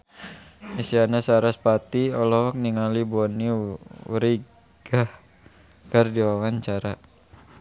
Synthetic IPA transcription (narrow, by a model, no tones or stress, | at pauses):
misianasaɾaspat̪iɔlɔhk̚niŋalibɔniuɾi | ɡ̥ah | kərdiwawaɲt͡ʃaɾa